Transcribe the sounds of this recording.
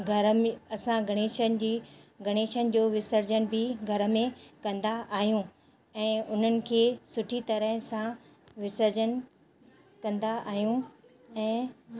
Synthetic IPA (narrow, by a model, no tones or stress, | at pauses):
ɡʱɐɾmɐsãɡʱɐɽ̃eːʃənɪd͡ʑiːɡʱɐɽ̃eːʃənɪ̆d͡ʑoːʋɪsəɾd͡ʑənbʱɪɡʱɐɾə̆mẽkɐ̃nd̪aʔaːɦijũ | ɛ̃ːʊn̤ənɪ̆kʰeːsʊʈʰit̪ɐɾəɦsã | ʋɪsəɾd͡ʑən | kɐ̃nd̪aʔaːɦijũ | ɛ̃ː